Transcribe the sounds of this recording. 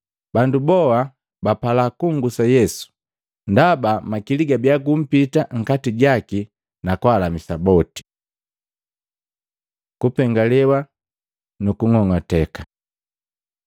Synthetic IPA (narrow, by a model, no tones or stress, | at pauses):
bandubɔa | bapalakuŋɡusajɛsu̥ | ndabamakiliɡabjaɡum̩pitaŋ̩katiɟaki | nakwalamisabɔti̥ | kupɛŋɡalɛwa | nukuŋɔŋɔtɛkḁ